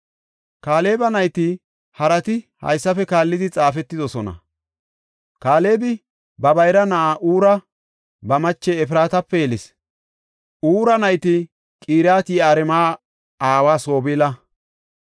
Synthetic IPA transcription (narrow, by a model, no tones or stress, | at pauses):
kaːle̞ːbɐnɐjt̪ɪ | hɐɾɐt̪ɪhɐ̰jsːɐfɛkaːlːɪd̪ɪt͡sʼaːfɛt̪ːɪd̪ɔsɔnɐ̰ | kaːle̞ːbɪ | bɐbɐjɾɐnɐʔaːʔuːɾɐ | bɐmɐt͡ʃːɛːfɪɾaːt̪ɐpːɛjɛlɪs | uːɾɐnɐjt̪ɪ | kʼiːɾaːt̪ɪaːɾɛmaː | aːwaːso̞ːbilɐ